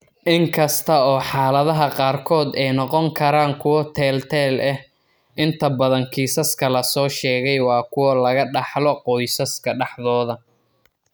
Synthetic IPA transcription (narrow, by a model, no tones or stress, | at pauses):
ʔɪŋkʰɐst̪ʰɐɔːħɑːlɐðɐɦɐqɑːrkʰɔːd̪ɛjnɔqɔŋkʰɐɾaːŋkʰʊwɔt̪ʰɛːlt̪ʰɛːlʔɛh | ʔɪnt̪ʰɐbɐðɐŋkʰiːsɐskʰɐlɐsɔːʃɛːɣɛjwɑːkʰʊwɐlɐɣɐɖɑħlɔqɔjsɐskʰɐɖɑħðɔːðɐ